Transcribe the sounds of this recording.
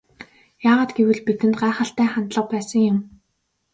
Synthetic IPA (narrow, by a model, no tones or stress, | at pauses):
jaːʁaːt̪ɡewɘ̆ɮpit̪ɘ̆nt̪ɢaːχə̆ɬt̪æːχant̪ɮə̆q̚pæːsə̆ŋjʊm